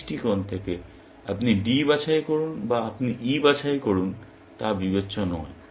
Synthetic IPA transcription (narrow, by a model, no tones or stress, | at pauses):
ʈikɔnt̪ʰeke | apniɖibat͡ɕʰajkoɾunbaapniʔibat͡ɕʰajkoɾun | t̪abibetːɕonɔe